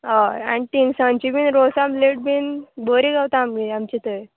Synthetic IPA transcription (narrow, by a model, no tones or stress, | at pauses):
aa̰nit̪insãnt͡ɕibʱinɾosamleʈ̚bʱiːnboɾiɡawt̪aamɡiamt͡ɕit̪əj